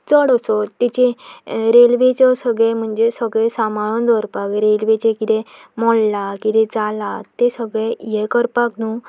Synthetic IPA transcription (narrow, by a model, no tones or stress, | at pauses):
t͡səɽəsɔt̪ːit͡ɕeɾelʋet͡səsəɡɭem̤əɳd͡zesəɡɭesamaɭɔnd̪ʱəɾpakɾelʋet͡ɕẽkid̪emɔɽlakid̪ed͡zalat̪esəɡɭejekəɾpaknu